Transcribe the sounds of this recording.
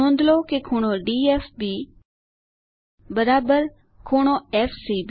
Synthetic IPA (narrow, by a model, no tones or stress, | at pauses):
õːnd̪ʱloːkekʰoːɽ̃oːɖiːeːfbiː | bəɾaːbəɾ | kʰoːɳ̃oːeːfʰsiːb